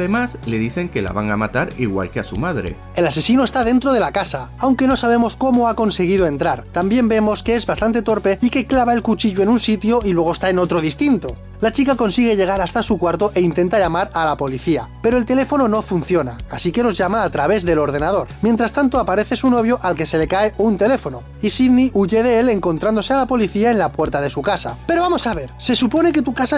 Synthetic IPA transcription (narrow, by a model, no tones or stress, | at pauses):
ðemasle̞ðiθe̞ŋke̞la̰βaŋamat̪aɾiɣwa̰lkeasṵmaðɾḛ | e̞lase̞sinoe̞st̪að̞e̞nt̪ɾo̞ð̞e̞lakasaawŋke̞no̞saβ̞e̞mo̞sko̞moako̞nse̞ɣ̞ið̞oe̞nt̪ɾaɾt̪ambje̞mbe̞mo̞skeezβast̪ant̪e̞t̪o̞ɾpe̞ike̞klaβae̞lkut͡ʃiʎoe̞nunsit̪joʔilwe̞ɣ̞ost̪aeno̞t̪ɾo̞ð̞ist̪int̪o̞ | lat͡ʃikako̞nsiɣ̞e̞ʎe̞ɣ̞aɾast̪asukwaɾt̪o̞ʔe̞int̪e̞nt̪aʎamaɾalapo̞liθia̰pe̞ɾo̞e̞lt̪e̞le̞fo̞no̞no̞funθjo̞na̰asike̞lo̞zʝamaːt̪ɾaβ̞e̞zðe̞lo̞ɾðe̞nað̞o̞ɾmje̞nt̪ɾast̪ant̪o̞apaɾe̞θe̞suno̞βjo̞ʔalke̞se̞le̞kaeunt̪e̞le̞fo̞no̞ | isiðniʔuʝe̞ðe̞ele̞ŋko̞nt̪ɾand̪o̞sealapo̞liθiae̞nlapwe̞ɾt̪aðe̞sukasa̰pe̞ɾo̞βamosaβ̞e̞ɾse̞supo̞ne̞ke̞t̪ukasa